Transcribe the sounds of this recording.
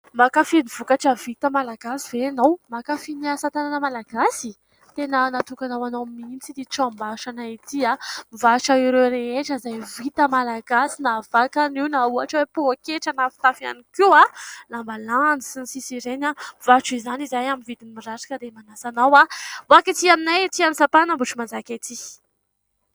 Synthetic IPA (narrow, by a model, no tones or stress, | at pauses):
makafiniv̥ukaʈ͡ʂəvit̪əmalaɡasiveanawmakafiniasat̪ananamalaɡasi | t̪enənat̪ukanawanomint͡sid̪iʈ͡ʂambaʃanait̪iamivaʃaiɾoɾeeʈ͡ʂəzajvit̪əmalaɡasinavakaniwnauaʈ͡ʂəwepuakeʈ͡ʂanafi̥t̪afia̰nikʲualambaland͡zisinisisiɾenavaʈ͡ʂizanizajaminvid̪inimiraɾḁkəd̪emanasanawavakit̪iaminajt̪ianisapanambuʈ͡ʂumand͡zakʲat̪i